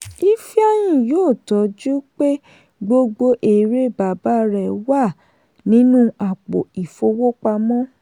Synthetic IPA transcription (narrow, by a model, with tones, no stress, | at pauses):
i˦fi˦a˦j̃ĩ˦˨joː˦˨tɔ˨˦d͡ʒu˦k͡pe˦ | ɡ͡bo˧ɡ͡bo˧ʔe˨ɾe˦˨ba˨ba˨˦ɾɛ˨wa˦˨ | nĩ˨˦nũ˦a˨k͡po̰˨i˨fo˧wo˦k͡pa˧mɔ̃˦